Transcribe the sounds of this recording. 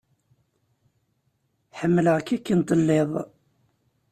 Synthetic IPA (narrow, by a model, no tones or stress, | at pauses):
ħəmːələʁkːikːint̪ˤəlːeðˤ